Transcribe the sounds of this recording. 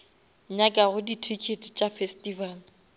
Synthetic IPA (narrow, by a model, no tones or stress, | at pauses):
ɲakʼaɣʊditʰikʰetʰt͡ʃʼafɛstʼival